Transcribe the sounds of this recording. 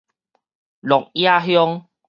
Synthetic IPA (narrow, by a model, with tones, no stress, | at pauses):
lɔ˨k̚ja˦˧˨ɦjɔ˦ŋ